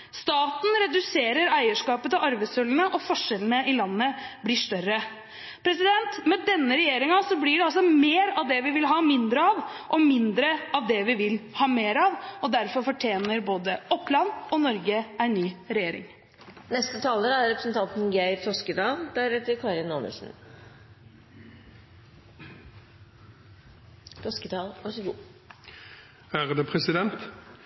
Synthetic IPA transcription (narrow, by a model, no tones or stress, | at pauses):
st̪ɑːt̪n̩ɾɛd̪ʉseːɾəɾæɪəʂkɑːpət̪ɑʋɑɾʋæɪsɔlənəʔɔfɔʂːɛlənəɪlɑnːəblɪʂt̪œɾə | pʰɾɛsɪd̪ɛnt̪mɛd̪ɛnːəɾɛjeːɾɪŋɑsɔblɪɖɛɑlsɔmeːɾɑʋd̪ɛʋɪʋɪlɦɑːmɪnd̪ɾəɑʋʔɔmɪnd̪ɾəɑʋd̪ɛʋɪʋɪlhɑːmeːɾɑʋɔd̪æɾfɔɾfɔʈʰjeːnəɾboːd̪əɔpːlɑnɔnɔɾɡəæɪnyːɾɛjeːɾɪ̰ŋ | nɛst̪ət̪ʰɑːləɾæɾɾɛpɾəsn̩t̪ʰɑnt̪n̩ɡæɪɾt̪ʰɔskəd̪ɑːld̪̥æɾɛt̪ːəɾkʰɑːɾɪno̰nə̰sn̩ | t̪ʰɔskəd̪ɑːlɑʂəɡuː | æːɾd̪ɛːpʰɾɛsɪd̪ɛnt̪